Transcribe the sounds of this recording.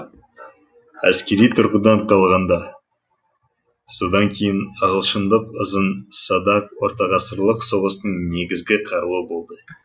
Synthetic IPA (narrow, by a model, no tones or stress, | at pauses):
æ̰skʲe̞ɾijt̪ʰʊɾqəd̪ɑnqʰɑlˠʁɑnd̪ɑ | so̞d̪ɑŋkʲʰe̞jɪnəʁəlˠʃənd̪əqʊzənsɑd̪ɑqwo̞ɾt̪ɑʁɑsəɾlˠəqso̞ʁəst̪əɴne̞ɡʲɪzɡʲɪqʰɑɾuəbo̞lˠd̪ə